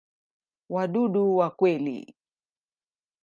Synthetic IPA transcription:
waɗuɗuwakwɛlḭ

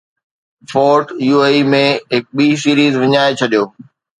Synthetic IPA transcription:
foːɾʈjuːeːimẽɦɪk̚ɓiːsiːɾiːzʋɪɲaːet͡ɕʰɐɗijoː

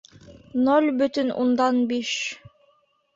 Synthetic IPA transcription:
nolʲbɵ̆t̪ɵnʔṵnd̪ɑnbiʃ

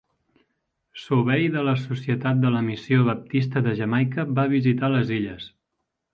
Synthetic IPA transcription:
suβɛjðələsusiət̪at̪̚d̪ələmisioβəp̚t̪ist̪əðəʒəmajkəbaβ̞izit̪aləziʎəs

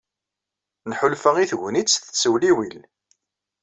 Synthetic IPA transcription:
nħʊlfəʁiθʝnit͡sːθə̥t͡sːwliwil

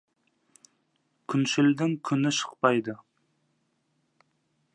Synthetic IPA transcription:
kʲʰynʃɪld̪ɪŋkʲʰynɪʃə̥qpɑjd̪ɨ

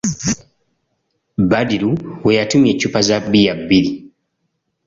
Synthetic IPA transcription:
badiɾuwejatumjecupazabːijabːiɾi

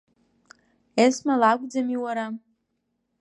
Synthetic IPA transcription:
esmalakʷʼd͡zamiwaɾa

